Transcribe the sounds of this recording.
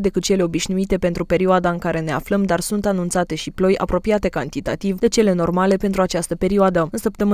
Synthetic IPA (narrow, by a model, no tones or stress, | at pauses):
d̪e̞kɨt̪̚t͡ʃe̞le̞o̞biʃnuit̪e̞pe̞nt̪ɾupe̞ɾioad̪aɨŋkaɾe̞ne̞a̰fləmd̪arsunt̪anunt̪sat̪e̞ʃiplo̞jʔa̰pɾo̞piat̪e̞kant̪it̪a̰t̪ivd̪e̞t͡ʃe̞le̞no̞rmale̞pe̞nt̪ɾuat͡ʃast̪əpe̞ɾioad̪əɨnsəp̚t̪əmɨ